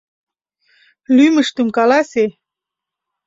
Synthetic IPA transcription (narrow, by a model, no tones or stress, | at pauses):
lyməʃt̪ə̆mkɑlɑse